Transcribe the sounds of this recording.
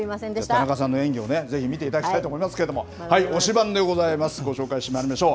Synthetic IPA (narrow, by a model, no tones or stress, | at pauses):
at̪anakasãnːo̞ẽ̞ŋɡʲio̞ne̞ze̞çimʲit̪e̞it̪ad̪aki̥t̪ait̪oːmo̞imasɨ̥ke̞ɾe̞d̪o̞mo̞̰ | haio̞ɕibãnd̪e̞ɡo̞zaimasɨ̥ɡo̞ɕo̞ːkaiɕt̪emaɾʲimaɕo̞ː